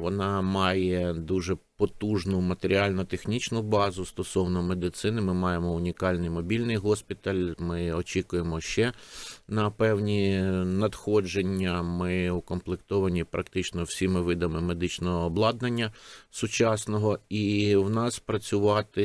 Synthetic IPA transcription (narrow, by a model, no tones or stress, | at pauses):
ʋɔnɑmɑjɛd̪uʒɛpɔt̪uʒnʊmɐt̪eɾʲiɑlʲnʊt̪exnʲit͡ʃnʊbɑzʊst̪ɔsɔwnɔme̞d̪ɪt̪sɪnɪmɪmɑjemɔʊnʲikɑlʲnɪjmɔbʲilʲnɪjɦɔspʲit̪ɐlʲmɪɔt͡ʃʲikʊjemɔʃt͡ʃɛnɐpɛwnʲinɐd̪xɔd͡ʒenʲːɐmɪukɔmplˠekt̪ɔʋɐnʲipɾɐkt̪ɪt͡ʃnɔwsʲimɪʋɪd̪ɐmɪmed̪ɪt͡ʃnɔɦɔːblˠɑd̪̚nɐnʲːɐsʊt͡ʃɑsnɔɦɔiwnɑspɾɐt͡sʲʊʋɑt̪ɪ